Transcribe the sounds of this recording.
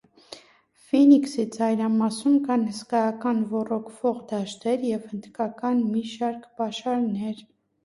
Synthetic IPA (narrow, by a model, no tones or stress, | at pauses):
finiksit͡sɑjɾɑmɑsumkɑnhəskɑjɑkɑnvɔrɔkʰv̥ɔʁd̪ɑʃt̪ɛɾjɛvhənd̪kɑkɑnmiʃɑɾkʰpɑʃɑɾnɛɾ